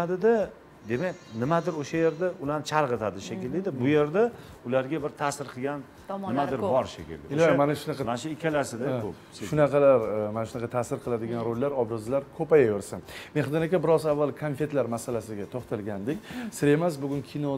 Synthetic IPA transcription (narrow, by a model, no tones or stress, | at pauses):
ad̪ɪd̪a | d̪e̞makʲnɪmad̪ɪɾoʃaje̞ɾd̪aʊlant͡ʃʰaɾʁɨt̪ʰad̪ɪʃakʲɪlːɪd̪ɪbʊje̞ɾd̪a | ʊlaɾɡʲabɪɾt̪ʰasɪɾqʰɨɡʲanː | ɪmaɪɾbɒɾʃḛkʲɪ̰ld̪ɪɪlamanaʃʊnɑqɑmanʃʊɪkʲʰalaɾsɪd̪akʰop | ʃeʃʊnɑqɑlaɾmanaʃʊnaɑqʰɑt̪ʰasɪɾqʰɨlˠad̪ɪɡʲanɾolːaɾɒbɾɨzɪlaɾkʰɵpajaveɾsammeχd̪ɒnakʲabɪɾɒzavːalˠkʰonfe̞t̪laɾmasalasɪɡʲat̪ʰoχt̪ʰalɡʲand̪ɪkʲsɪɾe̞mas̬bʊɡʲʊnkʲʰino